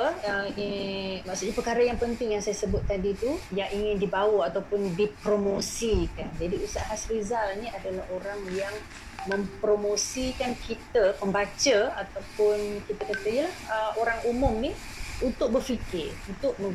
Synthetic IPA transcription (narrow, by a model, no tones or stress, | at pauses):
əimaʔsut̪ʔ̚ɲapərkaɾajaŋpənt̪ɪŋjaŋsajasəbʊt̪̚ːadit̪ujaʔiŋɪndibawaat̪awpʊndipɾomosikand͡ʒadiusaʔɦasɾizalniadalahoɾaŋjaŋ | mə̃mpɾomosikankʰit̪apəmbat͡ʃəat̪awpʊnkit̪akat̪aijəlahəoɾaŋumʊmnih | unt̪ʊk̚bərfikɪrunt̪ʊʔ̚mə